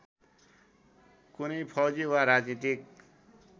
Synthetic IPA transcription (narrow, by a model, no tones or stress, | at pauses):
kunʌjpʰʌd͡ziwaɾad͡znit̪ik